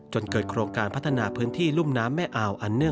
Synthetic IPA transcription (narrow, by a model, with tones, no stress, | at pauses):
t͡ɕo˧nkɤː˨˩t̪̚kʰɾoː˧ŋkaː˧npʰa˦˥t̪ʰːa˧naː˧pʰɯː˦˥nt̪ʰiː˥˩lu˥˩mnaː˦˥mːɛː˥˩ʔaː˧˩wʔa˨˩nːɯ˥˩ə